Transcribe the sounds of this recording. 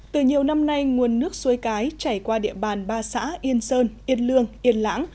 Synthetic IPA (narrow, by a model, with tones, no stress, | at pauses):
t̪ɨ˨˩ɲi˨˩əwna˧mna˧jŋu˨˩ənːɨ˦˥ək̚su˨˦jkaː˨˦jt͡ɕaː˧˩jkwaː˧ɗḭ˧˨əɓaː˨˩nɓaː˧sa̰ː˧˥ʔi˧ənsəː˧nʔi˧ənlɨ˧əŋʔi˧ənla̰ː˧˥ŋ